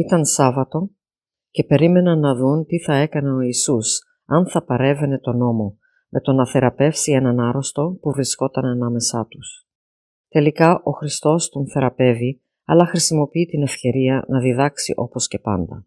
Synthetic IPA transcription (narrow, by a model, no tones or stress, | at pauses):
it̪ɐnsɐvɐt̪o̞ | ce̞pe̞ɾime̞nɐnːɐðunt̪iθɐe̞kɐne̞o̞isus | ɐnθɐpɐɾe̞ve̞ne̞t̪o̞no̞mo̞ | me̞t̪o̞nɐθe̞ɾɐpe̞fsienɐnɐɾo̞st̪o̞puvɾisko̞t̪ɐnɐnɐme̞sɐt̪us | t̪e̞likɐʔo̞xɾist̪o̞st̪onθe̞ɾɐpe̞vi | ɐlɐxɾisimo̞piit̪ine̞fce̞ɾiɐnɐðiðɐksḭʔo̞po̞sce̞pɐ̰nd̪ɐ̰